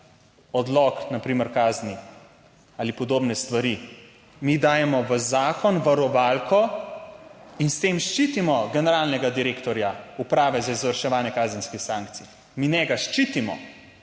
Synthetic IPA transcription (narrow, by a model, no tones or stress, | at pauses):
ɔd̪lɔknapɾiːməɾkaːzni | aːlipɔd̪oːbnɛst̪ʋaɾi | mid̪aːjɛmɔʋəzaːkɔnʋaɾɔʋalkʰɔ | inst̪eːmʃt͡ʃit̪imɔɡɛnɛɾaːlnɛɡad̪iɾeːkt̪ɔɾjaupɾaːʋɛzaizʋəɾʃɛʋaːnjɛkaːzənskixsaːŋkt̪sij | minɛɡaʃt͡ʃiːt̪imɔ̰